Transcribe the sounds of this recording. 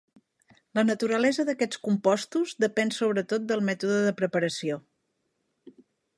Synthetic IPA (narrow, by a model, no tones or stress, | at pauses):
lənət̪uɾəlɛzəðəkɛt͡skumpɔst̪uzd̪əpɛnsoβɾət̪ot̪̚d̪əlˠmɛt̪uðəðəpɾəpəɾəsio